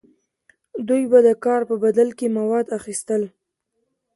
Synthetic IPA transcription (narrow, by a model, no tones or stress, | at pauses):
d̪ujbad̪əkɑɾpəbad̪alkemawɑd̪axist̪əl